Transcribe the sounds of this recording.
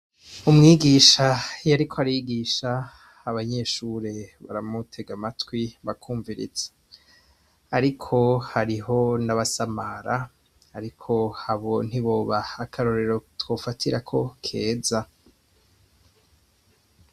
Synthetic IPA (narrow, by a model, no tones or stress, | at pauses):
umŋiːɡiːʃajaɾikʰoaɾajiɡiʃaː | βaɲe̞ʃuɾe̞βa̰ɾamutʰe̞ɡamatwiβakʰuːɱviɾḭz̥e̥ | aɾikʰo̞haɾiɦo̞naβasamaɾaː | ɾikʰo̞haβo̞n̥iβo̞ːβaːkʰaɾo̞ɾe̞ɾo̞two̞ːfatʰiɾakʰo̞kʰe̞ːza